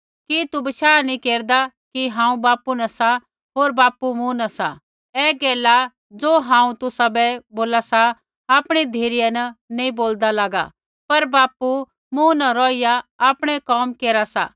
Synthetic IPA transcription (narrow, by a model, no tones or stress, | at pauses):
kit̪ubɐʃaːnĩkeːɾd̪a | kiɦãːũbaːpunɐsa | ɦoːɾbaːpumũnɐsa̰ | ɛːɡɛːla | d͡zoːɦãːũt̪ʊsabɛboːlasa | aːpɽ̃id̪ʱeːɾijɛnɐnẽĩboːld̪alaːɡa̰ | pɐɾbaːpu | mũnɐɾɔːijaaːpɽ̃ɛkɔːmkeːɾasa̰